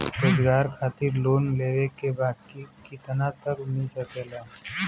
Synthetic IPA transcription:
ɾoːzɡaːɾkʰaːt̪ɪɾloːnleːʋekebaːd̪̚kikɪt̪ənat̪əkʊnisepɛːlaː

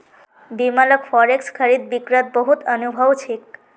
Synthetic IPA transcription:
bimaləkfʰɔɾekskʰəɾid̪̚bikɾət̪̚bəɦut̪ənubʱəwt͡ʃʰik̚

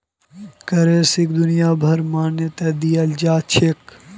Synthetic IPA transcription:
kɐɾeːsɪkd̪ʊnɪjaːbʱɐɾmaːnjət̪eːd̪ijɐld͡ʒaːt͡ʃʰek

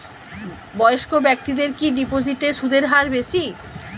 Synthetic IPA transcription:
bɔoʃkobɛk̚t̪id̪eɾkiɖipod͡ʑiʈeʃud̪ʱeɾɦaɾbeʃi

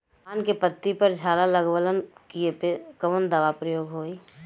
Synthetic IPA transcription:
aːnkepət̪ːipəɾd͡ʒʱaːlaləɡʋələnkiepekəʋənd̪aːʋapɾəjoːɡɦoːi

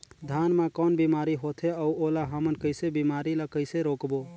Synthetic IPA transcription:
d̪ʱaːnmẽkɔːnbimaːɾiɦoːt̪ʰeəuoːlaɦəmənkəɪsebimaːɾilakəɪseɾoːkbo

